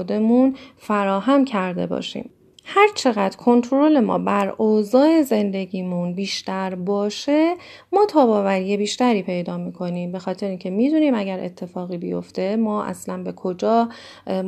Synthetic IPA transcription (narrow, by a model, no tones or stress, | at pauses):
od̪e̞munfæɾɒːɦæmcʰæɾd̪e̞̰bɒ̰ːʃḭːm | hæɾt͡ʃʰe̞ɣæd̪kʰo̞nt̪ʰɾo̞le̞mɒ̰ːbæɾoːzɒːe̞ze̞nd̪e̞ɟiːmunbiːʃt̪æɾbɒːʃe̞ | mɒːt̪ʰɒːbɒːvæɾiːjebiːʃt̪æɾiːpʰe̞jd̪ɒːmiːkʰo̞niːmbe̞xɒːt̪ʰe̞ɾeiːncʰe̞mid̪uniːmæɟæɾʔe̞̰t̪ʰːe̞fɒːɣiːbḭjo̞̰ft̪e̞mɒːʔæ̰slænbe̞kʰo̞d͡ʒɒː